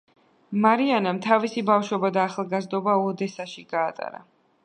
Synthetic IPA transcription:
maɾianamt̪ʰavisibafʃwɛbad̪aːχalˠɡazd̪ɔbaɔd̪ɛsaʃiɡaːt̪ʼa̰ɾa̰

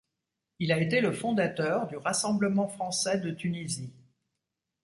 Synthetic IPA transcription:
ilaet̪eləfɔ̃d̪at̪œʁd̪yʁasɑ̃bləmɑ̃fχɑ̃sɛd̪ət̪ynizi

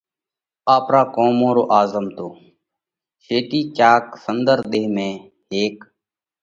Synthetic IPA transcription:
aːpɾaːkoːmõːɾo̰ːʔaːzəmt̪oː | t͡ʃʰeːʈiːt͡ʃaːksənd̪əɾɗ̪eːɦmẽː | ɦeːk

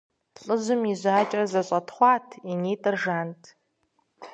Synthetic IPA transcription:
ɬʼɨzɨmizʷaaːt͡ʃʼrɐzɐɕʷʼɐtʰχʷɑːtʰineːtʼɨrʐaːntʼʰ

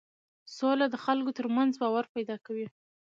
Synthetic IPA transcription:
solad̪əxalkot̪əɾmanzbɑwaɾpajd̪ɑkawi

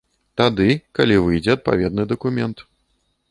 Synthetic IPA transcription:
t̪ad̪ɨkalʲivɨjd͡zʲɛɐt̪̚pa̰vʲɛd̪nɨd̪ɐkumʲɛnt̪

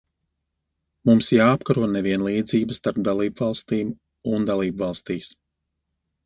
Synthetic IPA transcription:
mumsjaːapkaɾuɔnɛviɛnlˠiːd̪ziːbəst̪aɾp̚d̪alˠiːbvɑlˠst̪iːm | und̪alˠiːbvɑlˠst̪iːs

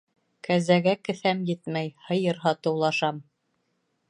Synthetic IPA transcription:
kʰæzæɡækɘ̆θæmjɘt̪mæjhɤ̆jɤɾɦɑt̪ɤ̆wlˠɑʃɑm

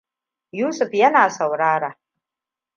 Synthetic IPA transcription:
jusɨfjanaːsawɾaɾa

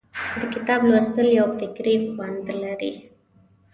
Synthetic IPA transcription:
d̪əkɪt̪ɑblawəst̪əljawfɪkɾixwand̪laɾḭ

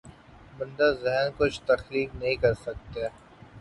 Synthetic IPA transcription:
bɐ̃nd̪azɛɦnkʊt͡ʃʰt̪ɐxliːknɐɦĩkɐɾsɐk̚t̪e

